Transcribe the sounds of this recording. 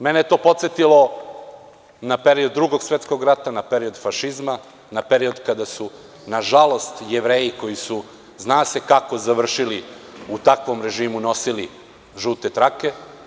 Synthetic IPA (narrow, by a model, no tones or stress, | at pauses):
menejet̪o̞ːpo̞t̪set̪ilo̞ | nape̞ɾiod̪̚ːɾuɡo̞ɡsʋet̪sko̞ɡɾat̪anape̞ɾio̞d̪faʃizma | napeɾio̞d̪kad̪asu | naʒalo̞st̪jeʋɾe̞ːjiko̞jisu | znaːse̞kako̞zaʋr̩ʃiliut̪akʋo̞mɾe̞ʒiːmuno̞sili | ʒut̪et̪ɾake̞